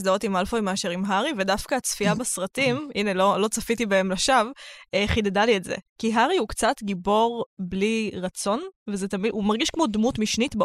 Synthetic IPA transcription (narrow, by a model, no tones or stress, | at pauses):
zdao̞timalfojmeaʃeʁimɦaʁivedafkaːt͡sfiabasʁɐtimʔinelo̞lo̞t͡safitibae̞mlaʃaveχidedalietzḛkiɦaʁiukt͡satɡibo̞ʁbliʁɐt͡so̞nvezet̪amidumaʁɡiʃkmo̞dmutmiʃnitb